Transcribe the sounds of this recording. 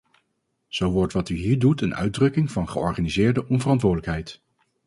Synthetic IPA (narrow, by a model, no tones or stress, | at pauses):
z̥owʋɔɹtʋɑtyɦiːɹdutənœ̰ɥdrɵkɪŋvɑnχəɔ̰ɹχaːnizɪːɹdəʔɔnvərɑntʋʊːɹdələkɦɛjt